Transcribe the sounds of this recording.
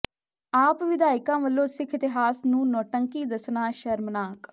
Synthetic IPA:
aːpʋɪd̪aːɪkãːʋəlːõːsɪkʰɪt̪ɪɦaːsnũːnɔːʈəŋkiːd̪əsnaːʃəɾmnaːk

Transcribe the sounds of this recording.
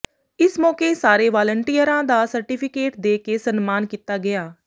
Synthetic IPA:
ɪsmɔːkeːsaːɾeːʋaːləɳʈiːəɾãːd̪aːsəɾʈiːpʰɪkeːʈd̪eːkeːsənmaːnkiːt̪aːɡɪjaː

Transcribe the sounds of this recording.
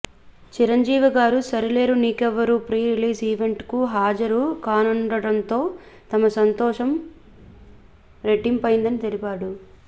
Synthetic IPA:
t͡ʃiɾɐɲd͡ʒiːʋiɡaːɾusɐɾile̞ːɾuniːkɛʋːɐɾuːpɾiːɾiliːsiːʋe̞ɳʈkuɦaːd͡ʒɐɾukaːnɐɳɖɐɽɐnt̪o̞ː | t̪ɐmɐsɐnt̪ɔːʂɐm | ɾe̞ʈːimpɐjind̪ɐnit̪elipaːɽu

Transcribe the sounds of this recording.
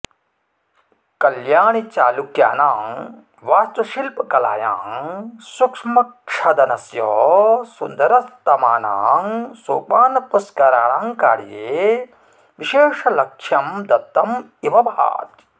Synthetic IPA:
kɐljaːɳit͡ʃaːlukja̰ːnaːŋ | ʋaːst̪ʋɐʃilpɐkɐla̰ːja̰ːŋsukʂmɐkʂʰɐd̪ɐnɐsjɔːsund̪ɐɾɐst̪ɐmaːnaːŋsoːpaːnɐpuskaɾaːnaːŋkaːɽjeː | ʋiʃeːʂɐlɐkʂʰɐmd̪ɐt̪ːɐm | iʋɐbʱa̰ːt̪

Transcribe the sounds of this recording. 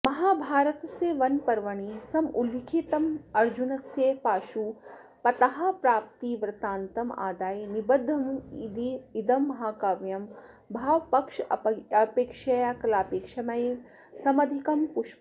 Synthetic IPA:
mɐɦaːbʱaːɾɐt̪ɐseːʋɐnpɐɾʋɐɳ̃isɐmulikʰit̪ɐmɐɾd͡ʒunɐsjeːpaːʃu | pɐt̪ɐɦɐ̆pɾaːp̚t̪iʋɾɨt̪aːnt̪ɐma̰ːd̪aːjnibɐd̪ʱːɐmid̪iid̪ɐmːɐɦaːkaːʋjɐm | bʱaːʋpɐkʂɐpeːkʂɐjakɐlaːpeːkʃɐmɐj | sɐmɐd̪ʱikɐmpuʃ

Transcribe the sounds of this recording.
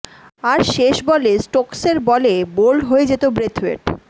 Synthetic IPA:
aɾʃeʃbɔlesʈɔkseɾbɔlebolɖɦoed͡ʑet̪obɾet̪ʰḛʈ

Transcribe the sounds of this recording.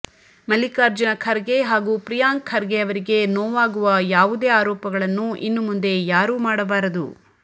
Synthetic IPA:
mɐlːikaːɾd͡ʒɐnɐkʰɐɾɡeɦaːɡuːpɾijaːŋkʰɐɾɡejɐʋɐɾiɡe̞noːʋaːɡuʋɐjaːʋud̪e̞ːaːɾɔːpɐɡɐɭɐnːuʔḭnːumund̪e̞jaːɾuːmaːɽɐbaːɾɐd̪u

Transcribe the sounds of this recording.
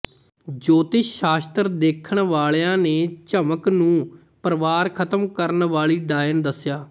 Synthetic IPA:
d͡ʒoːt̪ɪʃaːst̪əɾd̪eːkʰəɳʋaːɭeãːneːt͡ʃəməknũː | pəɾəʋaːɾkʰət̪əmkəɾnʋaːɭiːɖaːjənd̪əsːjaː

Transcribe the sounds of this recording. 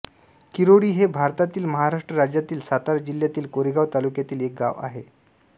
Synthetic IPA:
kiɾoɽiːɦebʱaɾt̪at̪iːlməɦaɾaʂʈɾəɾad͡ʑjat̪iːlsat̪aɾd͡ʑiljat̪iːlkoɾiɡaʋt̪alukjat̪iːlek̚ɡa̰ʋa̰ɦe

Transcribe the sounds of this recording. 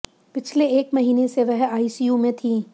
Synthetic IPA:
pɪt͡ʃʰleeːkmɐɦiːneseʋɛɦaːisiːjuːmẽt̪ʰĩː

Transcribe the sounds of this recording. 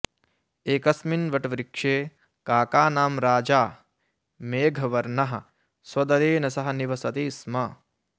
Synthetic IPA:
eːkɐsminʋɐʈʋɾikʂeː | kaːkaːnaːmɾaːd͡ʒaː | meːɡʱɐʋɐɾnɐɦɐ̰̆ | swɐd̪ɐɾeːnɐsɐɦɐniʋɐsɐt̪iːsmɐ

